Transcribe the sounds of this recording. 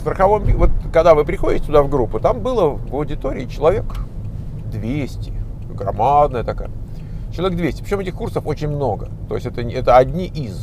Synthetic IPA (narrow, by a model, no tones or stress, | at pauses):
st̪ɾəxɐvo̞mbʲivo̞t̪̚kɐɡd̪avɨpɾʲɪxodʲɪtʲɪt̪ʊd̪avɡɾupːʊt̪ambɨlˠəvɐwdʲɪt̪o̞ɾʲɪ̰ɪt͡ɕɪlˠɐvʲe̞k | d̪vʲesʲtʲɪ | ɡɾɐ̰mad̪̚nəjət̪ɐka̰jə | t͡ɕɪlˠɐvʲeɡd̪vʲesʲɪ̥pɾʲɪt͡ɕoɛtʲɪxkursəfo̞t͡ɕɪnʲmno̞ɡət̪o̞ɪsʲɛt̪əɛt̪əɐdʲnʲiʔɪz